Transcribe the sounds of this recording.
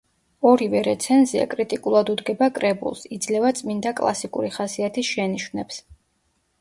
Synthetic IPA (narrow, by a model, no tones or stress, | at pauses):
ɔɾivɛɾɛt̪sʰɛnzia̰kʼɾit̪ʼikʼulˠad̪ud̪ɡɛbakʼɾɛbṵlˠsid̪zlɛvat̪sʼmind̪akʼlˠa̰sikʼṵɾiχasiat̪ʰisʃɛniʃwnɛps